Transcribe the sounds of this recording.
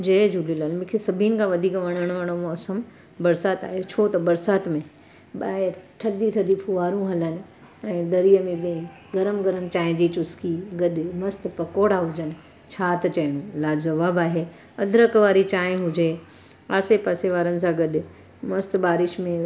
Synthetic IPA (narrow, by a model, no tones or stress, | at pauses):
d͡ʑed͡ʑʱulilaːnmʊ̃kʰesɐbʱinɪ̆kʰãʋɐd̪ʱiːkʋɐɽ̃əɽ̃ʋaːɽ̃õɐsəm | bɐɾsaːt̪a̰ːɦet͡ɕʰot̪ɐbɐɾsaːt̪mẽ | ɓaːɪɾʈʰɐd̪it̪ʰɐd̪ʱipʰuʋaːɾũɦɐlənɪ̆ | ɛ̃ːd̪ɐɾijəmẽɓẽ | ɡɐɾəmɡɐɾəmt͡ɕaːɦɪ̃d͡ʑit͡ɕʊskiɡɐɗɪmɐst̪pɐkoːɽaɦʊd͡ʑənɪ̆ | t͡ɕʰaːt̪ɐt͡ɕɐɪɽ̃ũlaːd͡ʑɐʋaːbaːɦe | ɐd̪ʱɾəkʋaːɾit͡ɕaːɦɪ̃ɦʊd͡ʑeː | aːsepaːseʋaːɾənɪ̆s̬ãɡɐɗɪ | mɐst̪baːɾɪʃmẽ